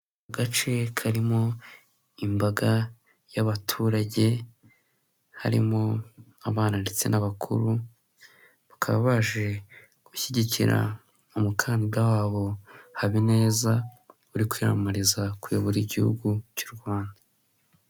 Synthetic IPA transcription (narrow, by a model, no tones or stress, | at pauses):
ɡat͡ʃe̞kʰaɾimo̞ | imbaɡa | jaβatʰuːɾaɟe̞ | ha̰ɾḭmo̞ | aβaːnande̞t͡se̞̰naβakʰṵɾu | βakʰaβaβaʒe̞ | ɡ̥uçiɟiciɾa̰ | umukʰaːndiɡawaːβo̞haβine̞ːza | uɾikwiːɾa̰muɾizakujoβoɾiɟihṵɡucuːɾɡuβaːnda